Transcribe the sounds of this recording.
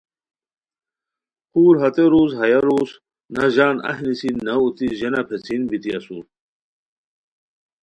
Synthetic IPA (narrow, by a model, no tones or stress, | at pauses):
kuːɾɦɐt̪eɾuːzɦɐjɐɾuːs | nɐʑaːnɐ̰ɦnisinɐut̪iʑenɐpʰet͡sʰinbit̪iɐsṵ